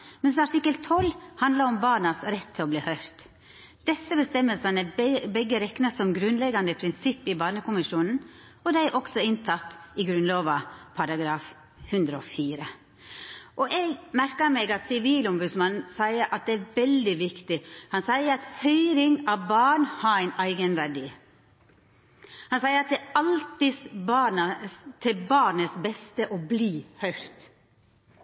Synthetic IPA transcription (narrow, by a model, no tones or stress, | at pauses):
mɛnsɑʈ̪ʰɪkːəlt̪ʰɔlːhɑnd̪ləɾɔmbɑːɳɑsɾɛt̪ʰːɪlɔbliːhœʏɾt̪ | d̪̥ɛsəbəst̪ɛmːəlsɑnəɛbɛɡːəɾɛknəsɔmɡɾʉnlɛɡɑnd̪əpʰɾɪnsɪpːɪbɑːɳəkʊmɪʂuːnn̩ | ɔd̪æɪʔɔksɔɪnt̪ʰɑt̪ːɪɡɾʉnloːʋɑpʰɑɾɑɡɾɑːf | hʉnd̪ɾəɔ̰fiːɾə | ʔɔʔɛɡmæɾkəɾmɛɡɑt̪sɪʋiːlɔmbʉd̪smɑnn̩sæɪəʔɑt̪̚d̪ɛæɾʋɛld̪ɪʋɪkt̪ɪhɑnsæɪəɾɑt̪hœʏɾɪŋɑʋbɑːɳhɑɾæɪnæɪɡənʋæɖiː | hɑnsæɪəɾɑt̪̚d̪ɛɑlt̪ɪsbɑnət̪ʰɪlbɑːɾɳəsbɛst̪əʔɔbliːhœʏɾt̪